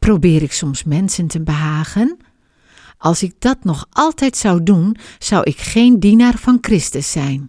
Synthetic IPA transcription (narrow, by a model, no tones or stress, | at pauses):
probɪːɾɪksɔmsmɛnsəntʰəbəɦaːɣən | ɑlˠsɪk̚d̥ɔtnɔxʔɔlˠtɛjtsawdunsawʔɪkxeːndinarfɔnkrɪstəsːɛjn